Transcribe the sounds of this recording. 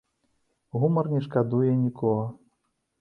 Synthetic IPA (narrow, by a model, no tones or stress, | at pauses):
ɣumɐrnʲɛʂkad̪ujɛnʲikʰɔɣɐ